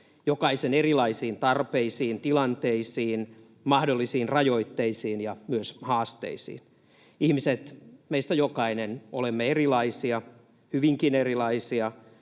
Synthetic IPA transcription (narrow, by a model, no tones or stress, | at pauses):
jokɑisenerilɑisiːnt̪ɑrpeisiːnt̪ilɑnt̪eisiːn | mɑhdolːisiːnrɑjoit̪ːeisiːnjɑmyøshɑːst̪ḛisḭːn | ihmiset̪meist̪æjokɑineno̰lemːeerilɑisiɑ | hyʋiŋkinerilɑisiɑ